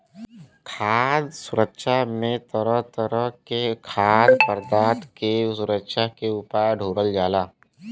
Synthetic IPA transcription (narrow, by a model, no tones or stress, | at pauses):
kʰaːd̪sʊɾəkʃamẽt̪əɾəɦt̪əɾəɦkekʰaːd̪pəɾd̪aːt̪kesʊɾəkʃakeʊpaːjɖʱuːɾəld͡ʒaːlaː